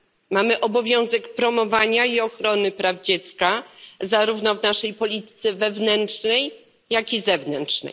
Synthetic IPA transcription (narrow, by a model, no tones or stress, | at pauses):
mamɘʔɔbɔvʲjɔ̃w̃zɛkpɾɔmɔvaɲaiɔxɾɔnɘpɾavd͡ʑet̪skazaɾuvnɔvnaʂɛjpɔlʲit̪ɘ̥t̪sɛvɛvnɛntʂnɛj | jakʲizɛvnɛntʂnɛ̰j